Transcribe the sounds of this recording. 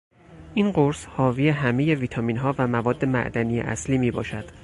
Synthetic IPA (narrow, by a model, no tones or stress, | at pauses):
ʔiːnɢo̞ɾshɒːviːjeɦæme̞je̞viːt̪ʰɒːmiːnɦɒːvæmævɒːd̪ːe̞mæ̰ʔd̪ænijḛʔæ̰sliːmiːbɒ̰ːʃæd̪̥